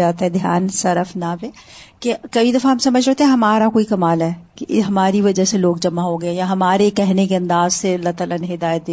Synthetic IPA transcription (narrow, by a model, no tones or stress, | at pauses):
aːt̪aɦɛd̪ʱjaːnsɐɾəfnabekekɐid̪ɐfãɦɐmsɐməd͡ʒʱɾeːt̪ẽɦɛ̃ɦɐmaːɾakoːikɐmaːlɦɛːkeɦɐmaːɾiʋɐd͡ʒəseloːɡ̚d͡ʒɐmaɦoɡɐejaɦɐmaːɾekɛɦnekeɐ̃nd̪aːzselɐt̪ələnɦɪd̪aːjət̪̚d̪e